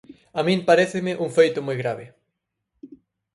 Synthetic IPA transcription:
amĩmpaɾeθɪmɪʔuŋfejt̪omojɣɾaβe

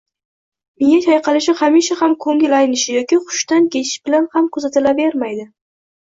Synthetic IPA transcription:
meŋat̪ʰajqʰɑlɪʃɪhamiʃahamkʰɵŋɪlajɪnɪʃɪjɒkʲɪχʊ̥ʃt̪ankʲʰe̞t͡ʃʰɪ̥ʃb̥ɪlanhamkʰʊzat̪ɪlabeɾmajd̪ɪ

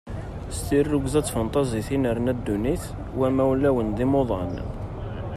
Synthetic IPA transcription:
st̪irːʊɡzæt͡sːfənt̪ˤɑziθinəɾnæd̪ːuniθ | wæmæwlːæwənd̪imoðˤɑ̰n

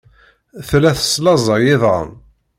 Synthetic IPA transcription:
θlæθə̥sːlɑzˤɑjɪðˤʁə̰n

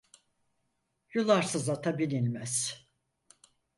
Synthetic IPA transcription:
julˠaɾsɯzat̪ʰabilʲinʲmæz̥

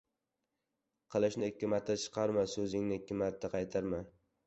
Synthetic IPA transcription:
qʰɨlˠɪʃnɪɪkʲːɪmat̪ʰːat͡ʃʰɨ̥qʰɑɾmasɵzɪŋnɪɪkʲʰːɪmat̪ʰːaqʰɑjt̪ʰaɾma

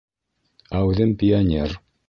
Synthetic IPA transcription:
æʉðɘmpʲianʲer

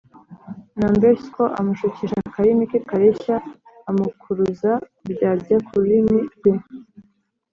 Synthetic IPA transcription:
nambeɾskoʔa̰muʃuciʃakaɾimikekaɾeçaː | mukʰuɾuza | bɟaːɾakʰuɾiniɾɡ̥im

